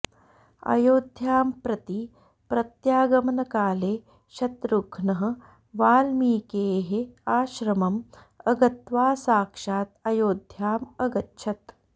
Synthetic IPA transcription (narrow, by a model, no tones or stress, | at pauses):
ɐ̰joːd̪ʱjaːmpɾɐt̪i | pɾɐt̪jaːɡɐmɐnɐkaːleː | ʃɐt̪ɾuɡʰʱnɐɦɐ̆ | ʋaːlmiːkeːɦeaːʃɾɐmɐm | ɐɡɐt̪ʋaːsaːkʂaːt̪ɐjoːd̪ʱjaːmɐɡɐtʃʰɐt̪